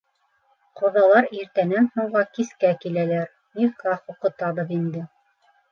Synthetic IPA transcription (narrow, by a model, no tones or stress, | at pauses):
qŏðɑlˠɑɾiɾt̪ænænhuwʁɑkiskækilælæɾ | nifkɑhuqɤ̆t̪ɑβɤðind̪ɘ